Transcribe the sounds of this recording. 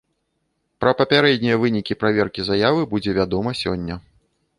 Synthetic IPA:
pɾɐpɐpʲaɾɛd̪ʲnʲijɐvɨnʲikʲipɾavʲɛrkʲizajavɨbud͡zʲɛvʲad̪ɔmɐsʲɔ̰nʲːɐ

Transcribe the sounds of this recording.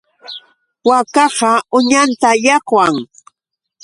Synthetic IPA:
wakɑɢɑʊɲant̪ajɑqwaŋ

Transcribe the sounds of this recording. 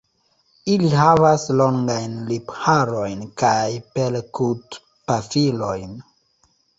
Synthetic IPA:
iliɦavaslo̞ŋɡajnliphaɾo̞jnkajpelkut | pafilo̞jn

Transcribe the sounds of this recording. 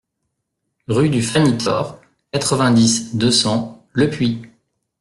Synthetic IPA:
ʁyd̪yfanit̪ɔ̰ːʁ | kat̪χəvɛ̃d̪isd̪əsɑ̃ləpɥi

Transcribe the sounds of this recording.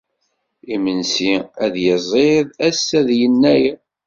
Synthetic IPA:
imənsiæðjəzˤeðˤæsːæðjənːæj

